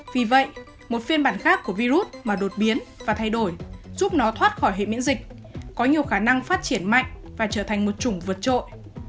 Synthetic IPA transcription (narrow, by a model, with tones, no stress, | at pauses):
vi˨˩və̰˧˨jʔ | mo˨˩t̚fi˧nɓaː˧˩nxaː˦˥kːu˧˩əvi˧zu˦˥t̚maː˨˩ɗo˨˩t̚ɓi˨˦ənvaː˨˩t̪ʰa˧jɗo˧˩jzu˦˥p̚nɔ˨˦t̪ʰwaː˦˥t̚xɔ˧˩jhḛ˧˨mḭ˧˥nzï˨˩k̟̚ | kɔ˨˦ɲi˨˩əwxaː˧˩na˧ŋfaː˦˥t̚t͡ɕi˧˩ənma̰˧˨jŋ̟vaː˨˩t͡ɕəː˧˩t̪ʰa˨˩jŋ̟mo˨˩t̚t͡ɕʊ˨˧˩ŋ͡mvə˨˩t̚t͡ɕo̰˧˨j